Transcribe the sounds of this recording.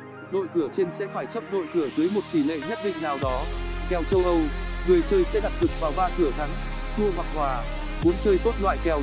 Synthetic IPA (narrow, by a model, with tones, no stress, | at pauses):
no̰˧˨jkɨ˧˩ət͡ɕe˧nsɛ̰˧˥faː˧˩jt͡ɕə˦˥p̚no̰˧˨jkɨ˧˩əzɨ˨˦jmo˨˩t̚t̪i˧˩lḛ˧˨ɲə˦˥t̚ɗḭ˧˨ŋnaː˨˩wɗɔ˨˦kɛ˨˧˩wt͡ɕə˧wʔə˧wŋɨ˨˩əjt͡ɕəː˧jsɛ̰˧˥ɗa˨˩t̚kɨ˨˩k̚vaː˨˩wvaː˧kɨ˧˩ət̪ʰa˨˦ŋ | t̪ʰu˧əɦwaː˨˩k̚hwaː˨˩ | mu˨˦ənt͡ɕəː˧jt̪o˦˥t̚lwa̰ː˧˨jkɛ˨˩w